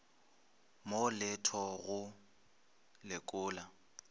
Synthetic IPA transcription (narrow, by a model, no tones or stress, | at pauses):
molɛtʰɔɣʊ | lɪkʼʊːla